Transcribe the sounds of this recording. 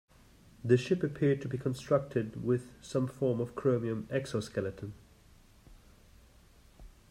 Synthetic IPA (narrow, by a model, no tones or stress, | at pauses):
ðɨʃɪpɨpʰɪɹd̚tʰəbikʰə̃nstɹ̥ʌk̚tʰɪd̚wɪð̥sʌ̃ɱfɔɹmʌv̥kʰɹ̥omiə̃mɛksɔskɛlˠətə̃n